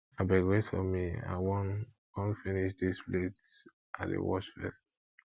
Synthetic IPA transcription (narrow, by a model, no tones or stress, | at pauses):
abaɡɹesfɔmia̰wɔ̃n | kɔ̃nfiniʃdisplet | ʔadḛwɔʃfɛ̰st